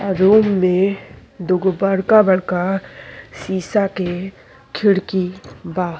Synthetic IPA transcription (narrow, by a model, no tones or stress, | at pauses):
aɾoːmːẽd̪ʊɡbəɽkabəɽka | siːsake | kʰɪɽkibaː